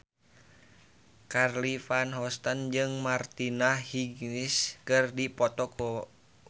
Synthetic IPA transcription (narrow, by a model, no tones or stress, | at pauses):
karlifanɦɔst̪and͡ʒɨŋmart̪inahiɡniskɨrdipɔt̪ɔkʰɔ